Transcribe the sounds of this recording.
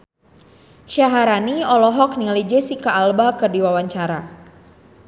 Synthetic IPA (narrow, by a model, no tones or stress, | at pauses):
ʃaɦaɾaniɔlɔɦɔk̚nilid͡ʒesikaːlbakɨrdiwawaɲt͡ʃaɾa